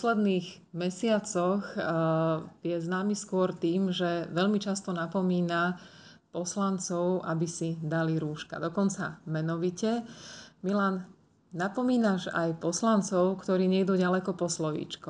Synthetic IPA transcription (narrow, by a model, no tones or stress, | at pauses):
ɔslɛd̪niːɣ | mɛsɪat͡sɔx | jɛznaːmiskʊɔɾt̪iːmʒɛʋɛʎmit͡ʃast̪ɔnapɔmiːna | pɔslant͡sɔʊʔabisid̪aliɾuːʃka̰d̪ɔkɔnt͡sa̰mɛnɔʋicɛmilan | napɔmiːnaʒa̰jpɔslant͡sɔʊkt̪ɔɾiːɲɛɡd̪uːɟalɛkɔpɔslɔʋḭːt͡ʃku